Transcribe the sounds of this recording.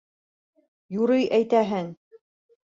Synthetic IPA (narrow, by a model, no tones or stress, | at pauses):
juɾɤjʔæjt̪æɦɘŋ